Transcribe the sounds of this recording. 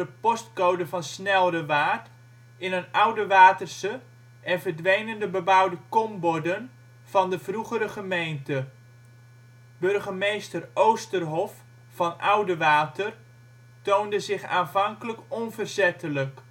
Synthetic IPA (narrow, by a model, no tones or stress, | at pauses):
dəpɔstkowdəvɑnsnɛlˠdəʋaːt | ɪnənʌwdəʋaːtərsə | ʔɛnvərdʋejnəndəbəbawdəkɔmbɔdən | v̥ɑndəvruχəɾəχəmejntə | bɵrχəmejstərowstərɦɔfː | ɑnʔawdəʋaːtər | towndəzɪχa̰ːnvɑŋkələkɔnvərzɛtʰələk